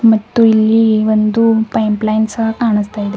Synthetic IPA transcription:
mət̪ojlːiːʋənd̪uːpajmplajnsakaɳəst̪ajt̪

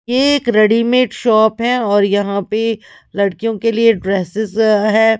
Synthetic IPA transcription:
jeeːkɾɐɖimeːʈʃɔːpɦɛ̃ɔːɾjɐɦãpe | lɐɽkijõkelieɖɾeːsɪzɦɛː

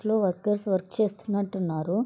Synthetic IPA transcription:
lo̞ːʋɐɾkɐɾsʋɐɾkt͡ʃe̞ːst̪unːɐʈːunːaːɾu

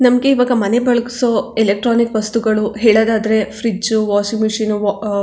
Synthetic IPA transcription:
nɐmɐɡe̞iʋaːɡɐmɐnebɐɭɐki̥soːelek̚ʈɾaːnikʋɐst̪uɡɐɭuɦeːɭoːd̪aːd̪ɐɾe̞fɾiuʋaːsiŋmuʂiːnu

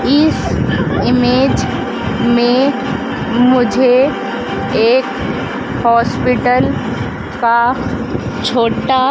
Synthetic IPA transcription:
ɪsɪmeːd͡ʒ | mẽ | mʊd͡ʒʱe | eːk | hɔːspɪʈəl | ka | t͡ʃʰoːʈa

